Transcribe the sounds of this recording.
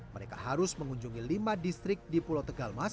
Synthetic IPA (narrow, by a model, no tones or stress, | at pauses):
məɾekaɦaɾʊsməŋuɲd͡ʒuŋilimadist̪ɾɪk̚dipulot̪əɡalmas